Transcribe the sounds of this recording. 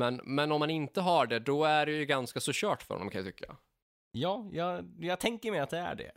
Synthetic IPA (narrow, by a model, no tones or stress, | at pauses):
mɛnmɛnɔmːanɪnt̪əɦaɖɛd̪ɔæɖɛjɵɡanskasɔɕœːʈfœ̰ɾhɔ̰nɔmkʰanjat̪ʏkʰːa̰ | jɑːjɑːjɑːɡ̚t̪ʰɛŋkəɾmɛjat̪̚d̪ɛæ̰ɖɛ̰